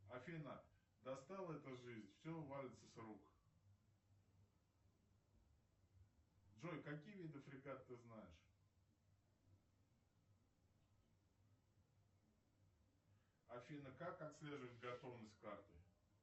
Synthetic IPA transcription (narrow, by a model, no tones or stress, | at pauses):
ɐfʲinə | d̪ɐst̪alˠəɛt̪əʐɨzʲnʲfsʲɵvalʲɪt̪səsruk | dʐojkɐkʲijvʲid̪ɨfɾʲɪɡat̪t̪ːɨznajɪʂ | ɐfʲinəkakɐt̪sʲlʲe̞ʐɨvət̪̚ʲɡɐt̪o̞vnəsʲt̚ʲkart̪ɨ